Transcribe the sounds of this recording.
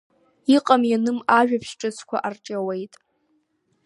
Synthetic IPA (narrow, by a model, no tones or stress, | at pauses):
iqʼamjanɨmaʒᶣapʰʃʈ͡ʂʼɨt͡sʷʰkʷʰa̰ʔart͡ʃʼawe̞jtʼ